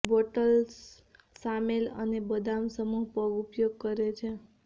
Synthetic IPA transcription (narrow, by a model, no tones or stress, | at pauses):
boʈəls | samelə̰nebəd̪ʱamsəmuɦpəɡupjoɡ̚kəɾet͡ʃʰe